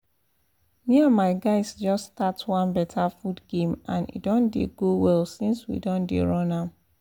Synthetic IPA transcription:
niamaɪɡaɪsd͡ʒɔstatwɔ̃nbɛtʰafudɡẽmãnḭdɔ̃ndḛɡowɛlsĩnswḭdɔ̃ndḛɹɔ̃nãm

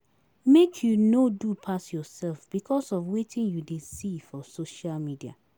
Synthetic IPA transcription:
mekʰjunodupʰasjɔsɛlfb̥ikʰɔsɔvwetʰɪ̃ŋjudidsifɔsoʃalmidia̰

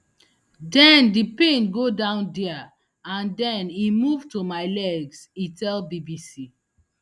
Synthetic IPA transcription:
dɛ̃ndipẽnɡodãʊ̃ndɛa | ãndɛ̃nimuvtumaɪlɛɡsitʰɛlbibisi

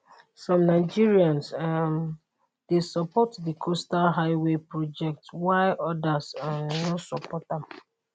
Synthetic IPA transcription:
sɔ̃mnaɪd͡ʒiɹiãnsm | d̥esɔpɔtdikʰostalɦaɪwepɹɔd͡ʒɛk̚twaɪʔɔdasmnɔsɔpɔtãm

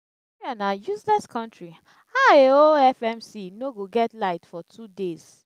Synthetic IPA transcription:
janajuslɛskʰɔ̃ntɹi | aeoɛfɛmsinoɡoɡɛtlaɪtfɔtʰudez̥

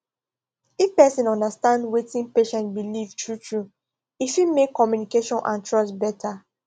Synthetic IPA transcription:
ifpɛsĩnɔ̃ndastãndwetĩnpeʃɛ̃ntbilivtɹutɹu | ifimekːɔmjunikeʃɔ̃nʔã̰ntɹɔsbɛtʰa

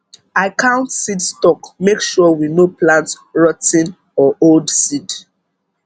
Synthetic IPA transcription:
aɪkãʊ̃ntsidstɔkmekʃɔɔwinoplãnt | ɹɔtĩn | ɔoldsid

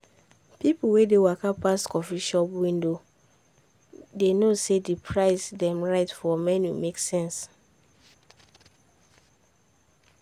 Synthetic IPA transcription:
pipuwedewakapaskɔfiʃɔpwĩndo | denosedipʰɹaɪsdɛ̃mɹaɪtfɔmɛ̃njṵmeksɛ̃ns

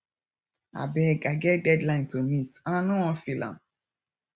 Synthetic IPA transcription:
a̰bɛɡaɡɛdɛdlãɪ̃ntomĩtãnũɔ̃filã̰m

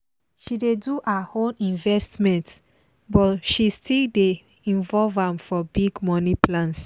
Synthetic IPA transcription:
ʃideduʔaahõnĩnvɛstmɛ̃nt | bɔtʃistʰilde | ĩnvɔlvãmfɔbiɡmɔniplãns

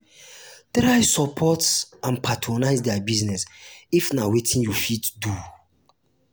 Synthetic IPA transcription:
tɾajsɔpʰɔtãnpʰatʰɹɔnaɪzdɛabiznɛsifnawetʰĩnjufitdu

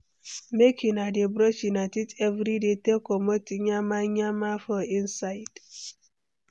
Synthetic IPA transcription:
mekʰinadebɾot͡ʃinatitevɾidetekɔmotiɲamaɲamafɔinsaɪd̥

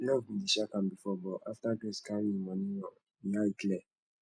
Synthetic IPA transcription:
lɛkĩdisakãm̩bifɔbɔʔaftaɡɛskaɾĩmãnĩjɔ̃ | ijaiklɛ

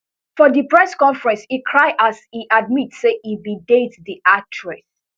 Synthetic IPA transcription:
fɔdipɹɛskɔ̃ɱfɹɛ̃nsikʰɹaɪʔasiʔad̚mitseʔibidetðiʔak̚t͡ʃʰɹɛs

